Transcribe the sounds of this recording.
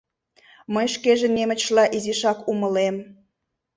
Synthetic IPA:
məjʃkeʒĕnemə̆t͡ɕʃlɑʔiziʃɑkuməlem

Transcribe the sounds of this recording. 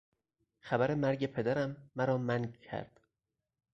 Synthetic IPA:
xæbæɾe̞mæɾɟe̞pʰe̞d̪æɾæmːæɾɒːmæncʰæ̰ɾd̪̥

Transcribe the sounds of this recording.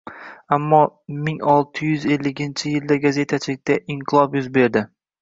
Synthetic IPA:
amːɒmɪŋɒlˠt̪ʰɪjʏze̞lːɪkʲɪnt͡ʃʰɪjɪld̪aɡaze̞t̪ʰat͡ʃʰɪlɪk̚ʲt̪aʔɪɴqʰɨlˠɒpjʊzbe̞ɾd̪ɪ

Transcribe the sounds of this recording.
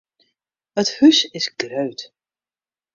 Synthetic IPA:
əthysɪsɡrøɥt

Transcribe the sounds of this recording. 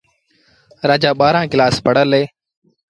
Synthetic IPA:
ɾaːd͡ʒaːɓaːɾãːkɪlaːspəɽəlɦeː

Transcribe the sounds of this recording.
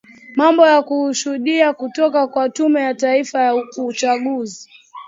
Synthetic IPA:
mambɔjakuhuʃuɗiakutɔkakwatumɛjataifajaut͡ʃaɠuzi

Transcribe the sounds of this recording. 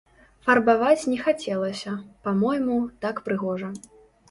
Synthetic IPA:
fɐrbavat͡sʲnʲɛxat͡sʲɛlˠɐsʲɐpamɔjmut̪akpɾɨɣɔʐɐ

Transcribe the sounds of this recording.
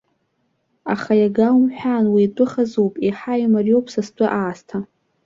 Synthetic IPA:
aχajaɡawmħʷᶣanwiːtʷʼʊχazowpʼiħajmarjowpʰʼsast͡pʷʼʊʔaːstʰa

